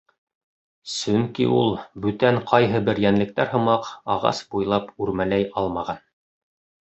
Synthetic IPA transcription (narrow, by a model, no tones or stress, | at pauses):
sɵŋkḭʔulˠbʉt̪æɴqʰɑjɦɤbɘɾjænlɘ̆k̚t̪æɾɦɤ̆mɑqɑʁɑ̰sbujlˠɑpʉɾmælæjɑlˠmɑʁɑn